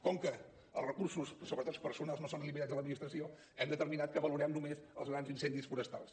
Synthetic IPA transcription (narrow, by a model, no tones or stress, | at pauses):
kɔŋkə | əlˠzrəkursussoβɾət̪ot̪spəɾsunalˠznosonəlimit̪azələd̪minist̪ɾəsio | ɛmd̪ət̪əɾminat̪̚kəβəluɾɛmnumezəlˠzɣɾanzinsɛnd̪isfuɾəst̪a̰lˠs